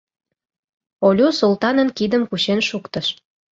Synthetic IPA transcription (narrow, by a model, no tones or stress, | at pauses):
olʲusult̪ɑnə̆nkid̪əmkuɕenʃukt̪əʃ